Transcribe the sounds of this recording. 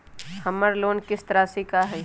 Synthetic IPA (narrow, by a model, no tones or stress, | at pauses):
hɐməɾloːnkɪst̪əɾasekaɦɛː